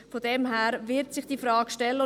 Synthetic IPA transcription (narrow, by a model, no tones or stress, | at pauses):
fodɛmɦæːɾvɪɾtsɪχd̥iːfɾɑːkʃtɛlːəʊ